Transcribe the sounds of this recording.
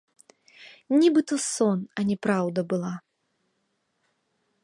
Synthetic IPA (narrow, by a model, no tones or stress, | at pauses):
nʲibɨt̪ɔsɔnɐnʲɛpɾawd̪ɐbɨlˠa